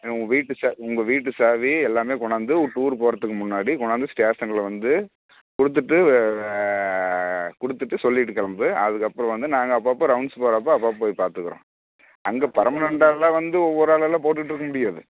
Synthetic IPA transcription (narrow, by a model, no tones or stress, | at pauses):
ʊŋɡɐʋiːʈːɯsaʊŋɡɐʋiːʈːɯsaːʋiɛlːaːmeːkʊɳɐnd̪ɯʊʈːuːɾpoːɾɐt̪ːɯkːɯmʊnːaːɽikʊɳɐnd̪ɯsʈjaːsɐŋɡɐɭʋɐnd̪ɯ | kʊɽɯt̪̬ːɯʈːɯ | kʊɽɯt̪ːɯʈːɯsɔlːɪʈ̬ːɯkːɐlɐmbɯɐðɯkːɐpːɯɾɔ̃ʋɐnd̪ɯnaːŋɡɐːpːaːpːõɾɐʊɳɖspoːɾɐp̬ːɐ̃ɐpːaːpːoːjpaːɾt̪ɯkːɯɾõ̰ | ɐŋɡeːpɐɾɐmɐnɐɳʈaːllãːʋɐnd̪ɯɔʋːɔɾaːlɐlãːpoːʈ̬ːɯʈ̬ːɪɾɯkːɐmʊɽɪjaːðɯ